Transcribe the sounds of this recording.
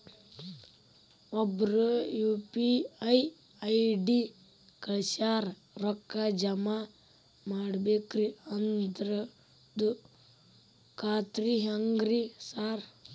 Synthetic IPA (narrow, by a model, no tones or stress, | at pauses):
ɔbɾujuːpiɐj | ɐjɖi | kɐsaːɾ | ɾɔkːad͡ʒɐma | maːɽbeːkɾiɐnd̪ɾɐ | d̪u | kaːt̪ɾiɦɐŋɡɾisaːɾ